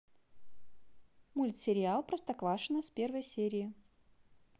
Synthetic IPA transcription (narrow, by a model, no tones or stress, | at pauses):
mulʲt̪sʲɪɾʲɪalˠpɾəst̪ɐkvaʂɨnəspʲe̞rvəjsʲeɾʲɪɪ